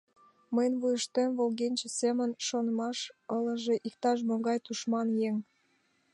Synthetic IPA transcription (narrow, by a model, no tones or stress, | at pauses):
məjənβujəʃt̪emvolɣenʲt͡ɕesemənʃonəmɑʃələ̆ʒeʔikt̪ɑʃ̬moɡɑjt̪uʃmɑnjeŋ